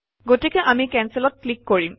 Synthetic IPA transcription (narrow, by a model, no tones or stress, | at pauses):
ɡotikɛʔamikɛnsilɔt̚klikːoɹim